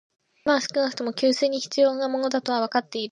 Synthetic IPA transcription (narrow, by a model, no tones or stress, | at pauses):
masɨ̥kɯ̟nakɯ̟̥t̪o̞mo̞kʲɨːsɨːɲ̟içi̥t͡sɨjo̞ːnamo̞no̞d̪at̪o̞β̞aβ̞akat̪ːe̞iɾ